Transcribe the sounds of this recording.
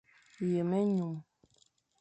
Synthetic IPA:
je˨mɛ˦ɲu˨m

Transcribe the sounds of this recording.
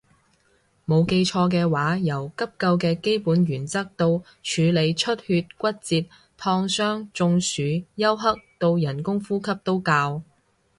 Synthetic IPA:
mo˨˧wke˧jt͡ʃʰɔː˧k̬ɛː˧waː˨˥jɐ˨˩wkɐ˥p̚kɐ˧wkɛː˧ke˥jpuː˨˥nɥyː˨˩nt͡sɐ˥k̚t̪o˧w | t͡ʃʰyː˨˧le˨˧jt͡ʃʰɵ˥t̚hyː˧t̚kʷɐ˥t̚t͡siː˧t̚ | t̪ʰɔː˧ŋsœː˥ŋt͡sʊ˧ŋsyː˨˥jɐ˥wɦɐ˥k̚t̪o˧wjɐ˨˩nkʊ˥ŋfuː˥kʰɐ˥p̚t̪o˥wkaː˧w

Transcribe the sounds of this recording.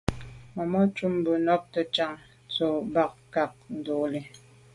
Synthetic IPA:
mɔ˨mɔ˦t͡ʃu˦m˦bə˨nɔ˦p̚tə˨t͡ʃa˦˨ŋ | t͡so˨ba˨k̚ka˨k̚n̩˨do˨li˨

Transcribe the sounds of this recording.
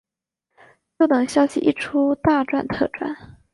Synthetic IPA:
jo˥˩ʊt̪ɤ˨˩ŋɕjɑ˥ʊɕḭ˨ʔḭ˥˩ʈ͡ʂʰu˥t̪a˥˧ʈ͡ʂwa̰˥˩nt̪ʰɤ̰˥˧ʈ͡ʂwa̰˥˩n

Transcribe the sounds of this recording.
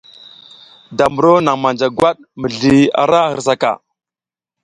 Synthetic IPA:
da˨mu˨ɾo˦na˨ŋma˨nd͡ʒa˨ɡwa˦ɗ̚ | mə˨ɮi˨a̰˨ɾa˦hə̰˨ɾs̬a˨ka̰˨

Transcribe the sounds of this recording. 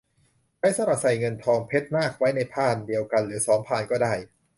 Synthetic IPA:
ba˦˥jsa˧˦mɾa˨˩p̚sa˨˩jŋɤ˧nt̪ʰɔː˧ŋpʰe˦˥t̪̚naː˥˩k̚wa˦˥jna˧jpʰaː˥˩ndi˧əwka˧nɾɯː˩˦sɔː˩˦mpʰaː˨˩nkɔː˥˩daː˥˩j

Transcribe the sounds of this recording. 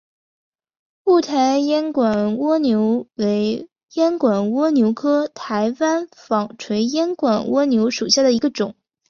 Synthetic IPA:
pu˥˩t̪ʰa˧˥ɪjɛ˥nkwa˨˩nwɔ˥njo˧˥ʊwe˧˥ɪ | jɛ˥nkwa˨˩nwɔ˥njo˧˥ʊkʰɤ˥t̪ʰa˧˥ɪwa˥nfɑ˨˩ŋʈ͡ʂʰwe˧˥ɪjɛ˥nkwa˨˩nwɔ˥njo˧˥ʊʂu˨˩ɕja˥˩d̪ə˩i˧˥ɡə˧ʈ͡ʂʊ˨˩˦ŋ

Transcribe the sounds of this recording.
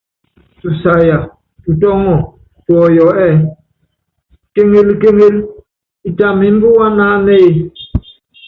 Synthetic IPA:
tu˨sa˨ja˨ | tu˨tɔ˦ŋɔ˨ | tɔ˨jɔ˨˦ɛ˦˨ | ke˦ŋe˦lke˦ŋe˦l | i˨ta˨mi˨m˦bu˦wa˦na˦ne˦e˨

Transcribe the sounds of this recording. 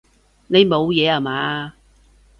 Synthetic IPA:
ne˨˧jmo˨˧wjɛː˨˧aː˨maː˨˧

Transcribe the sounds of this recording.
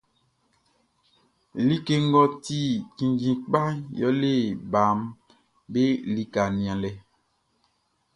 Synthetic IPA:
li˦ke˦ŋ˦ɡɔ˦ti˦˨kĩ˨ɡĩ˨k͡pa˦jɔ̰˦le˦˨ba˨m | be˦li˨ka˨nĩ˨ã˨lɛ˨

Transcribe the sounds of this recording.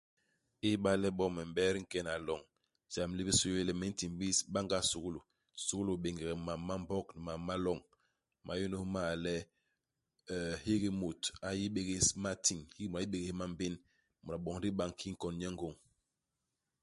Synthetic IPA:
i˦ɓa˦lɛ˦ɓɔ˦mɛ˨m˨bɛ˦ɾi˦ŋ̩˦kɛ˦na˨lɔ˨ŋ | za˨m˦li˦i˦su˦je˦lɛ˨mɛ˦n̩˦ti˨ŋbi˦sɓa˦ŋɡa˦su˨ɡu˦lu˨ | su˨ɣu˦lu˨ɓe˨ŋɡɛ˨ɡɛ˨ma˨mːa˦m˦bɔ˦kni˨ma˨ma˦lɔ˦˨ŋ | mʔa˨ju˦nu˦ma˦˨lɛ˦˨ | hi˦ɡi˦mo˨ta˨ji˦ɓe˦ɡe˦sma˦tʰi˨ŋhi˦mu˨a˨˦i˦ɓe˨ɡe˦ma˦m˦be˦n | mu˨ɾa˨ɓɔ˨ŋ˦ɾi˦ɓa˦˨ŋ˨kʰi˦ŋ̩˦kɔ˨n˦ɲɛ˦ŋ˦ɡo˨ŋ

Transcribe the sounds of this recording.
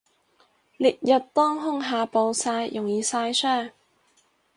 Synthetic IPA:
liː˨t̚jɐ˨t̚t̪ɔː˥ŋɦʊ˥ŋɦaː˨˧po˨˧wsaː˧jjʊ˨˩ŋjiː˨˧saː˧jsœː˥˩ŋ

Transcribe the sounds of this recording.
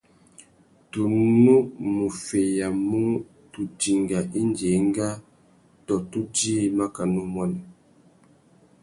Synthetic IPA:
tu˨nu˦mu˨fe˨ja˨mu˦ | tu˨d͡ʒi˨ŋɡa˨ʔi˦nd͡ʒe˨˦ŋ˦ɡa˦ | tɔ˨tu˦d͡ʒiː˦ma˦ka˨nu˦mɔ˦nɛ˨

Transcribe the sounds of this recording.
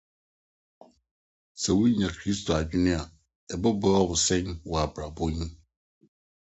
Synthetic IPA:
sɛ˨wʊ˦ɲã˨kʰɾi˦stʰo˨a˨d͡ʑᶣɪ˦nɪ̃˦a˨ | ɛ˨bɔ˦bɔ˦a˦wʊ˨sɛ̃˦nwɔ˨a˨bɾa˨bõ˦ɲĩ˦

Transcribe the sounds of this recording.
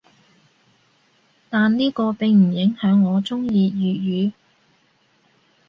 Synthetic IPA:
t̪aː˨nniː˥kɔː˧pɪ˨ŋm̩˨˩jɪ˨˥ŋhœː˨˥ŋːɔː˨˧t͡sʊ˥ŋjiː˧jyː˨jyː˨˧

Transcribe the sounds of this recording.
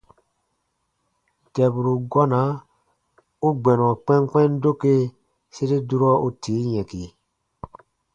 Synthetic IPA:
tɛ˨bu˨ɾu˨ɡɔ˦na˨˦ | u˦ɡ͡bɛ˨nɔ̃˨k͡pɛ̃˦nk͡pɛ̃˦ndo˦ke˦ | se˦ɾi˦du˦ɾɔ˦u˦tʰiː˨˦jɛ̃˨ki˨

